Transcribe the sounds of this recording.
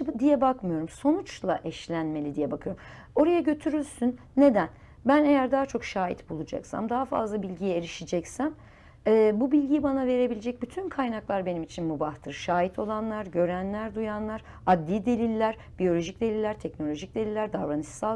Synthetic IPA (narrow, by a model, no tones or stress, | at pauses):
d̪ijɛbakmɯjo̞ɾumso̞nut͡ʃlˠaʔɛʃlʲænme̞lʲid̪ijɛbakʰɯjo̞ɾm | o̞ɾajaɟø̞t̪ʰyɾylʲsynːe̞d̪æn | bæne̞jæɾd̪aːt͡ʃʰo̞kʃaːjḭt̪bulˠud͡ʒa̰ksa̰md̪aɦafa̰zlˠabilʲɟijɛeɾiʃid͡ʒɛcsæm | ɛːbubilʲɟijibanave̞ɾe̞bilʲed͡ʒɛc̚byt̪ʰynkʰajnaklˠaɾbe̞nimit͡ʃʰinmubaht̪ʰɯɾʃaːjit̪ʰo̞lˠanlˠaɾɟø̞ɾænlʲæɾd̪ujanlˠaɾ | ad̪lːʲiːd̪e̞lʲilʲːæɾ | b̥ijo̞lʲo̞ʒic̚d̪elʲilʲːæɾt̪ʰɛcnolʲo̞ʒic̚d̪e̞lʲilːʲæɾd̪aɾɾanɯsa